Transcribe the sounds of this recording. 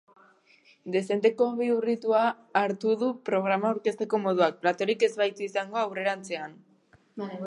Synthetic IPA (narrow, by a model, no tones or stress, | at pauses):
d̪e̞se̞nt̪e̞ko̞βiurit̪uaː | ɾt̪uðupɾo̞ɣ̞ɾamaːwɾke̞st̪e̞ko̞mo̞ðuak̚plat̪o̞ɾike̞zβajt̪uisaŋɡo̞awre̞ɾant͡se̞an